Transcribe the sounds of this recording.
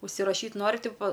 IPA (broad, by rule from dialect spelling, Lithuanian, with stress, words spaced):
ʊʃʲsʲɪrɐˈʃʲiːt ˈnoːrʲɪ ˈtʲɪpoː